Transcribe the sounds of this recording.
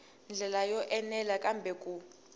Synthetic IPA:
nd͡ɮʱɛlajɔʔɛnɛlakʼambʱɛkʼu

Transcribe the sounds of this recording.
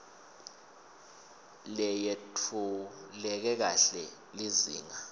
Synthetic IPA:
lɛjetʰulɛk̬ɛk̬aɬɛ | lizḭːŋa

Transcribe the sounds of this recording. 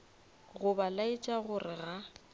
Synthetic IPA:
ɣʊbalait͡ʃʼaɣʊrɪɣa

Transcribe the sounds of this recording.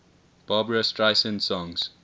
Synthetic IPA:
b̥ɑːbəɹəstɹaɪsə̃nsɔ̃ŋz̥

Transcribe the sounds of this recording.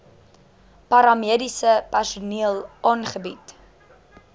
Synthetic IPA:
pɑɾɑmiədisəpærsuniəlˠʔɑːnχəbit

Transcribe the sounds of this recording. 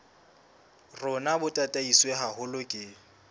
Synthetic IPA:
rʊnabʊtʼatʼaisweɦaɦʊlʊkʼɪ

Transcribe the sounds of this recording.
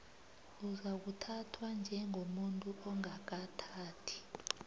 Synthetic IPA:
uzak̬utʰatʰwand͡ʒʱɛŋomuntʼuʔɔŋak̬atʰaːtʰi̥

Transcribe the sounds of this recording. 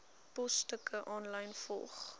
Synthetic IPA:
pɔstəkəʔɔnlɐjnfɔ̰lˠχ

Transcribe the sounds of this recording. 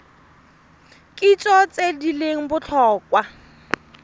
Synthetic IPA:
kʼit͡ʃʼɔt͡sʼedileŋ̩bʊt͡ɬʰɔːkwa

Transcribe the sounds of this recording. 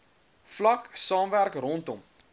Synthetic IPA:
flɐksɑːmværkrɔntɔm

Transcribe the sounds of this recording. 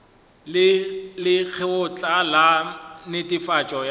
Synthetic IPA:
lɪk͡xʰɛʊt͡ɬʼalanɪtʼifat͡ʃʼɔj

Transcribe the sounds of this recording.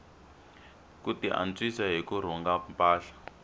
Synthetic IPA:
kutiʔa̰nt͡sisaɦikuɾ̤ɔŋɡampʼaːɬḁ

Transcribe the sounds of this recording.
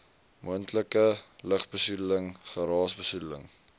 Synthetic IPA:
muəntləkələχbəsudələŋχəɾɑːsbəsudələ̰ŋ

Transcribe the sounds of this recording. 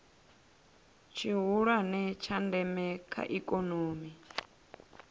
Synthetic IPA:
t͡ʃʰiɦuɺwanɛt͡ʃʰandɛmɛkʰa̰ʔikʼonoːmi

